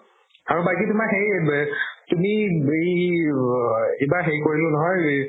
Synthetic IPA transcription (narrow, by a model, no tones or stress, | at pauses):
aɹubakitʊmaxej | tumiej | ebaxejkoɹilʊ̃nɔɦɔj